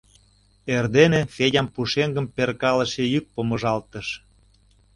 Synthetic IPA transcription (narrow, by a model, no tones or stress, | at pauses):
erd̪enefedʲɑmpuʃeŋɡə̆mperkɑlə̆ʃejyk̚pomə̆ʒɑlt̪əʃ